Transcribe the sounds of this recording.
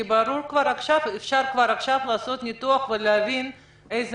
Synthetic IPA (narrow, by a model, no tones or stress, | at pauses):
baɾuɾkvaɾaχʃavifʃaɾkvaɾaχʃavlaːso̞t̪nit̪uɐχveleavin | ejz